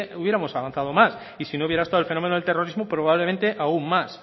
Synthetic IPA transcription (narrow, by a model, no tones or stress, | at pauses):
uβjeɾamo̞saβan̟θað̞omas | isinouβjeɾaest̪aðlfe̞nomenoelt̪eroɾizmopɾoβaβlemẽnt̪eʔauŋmas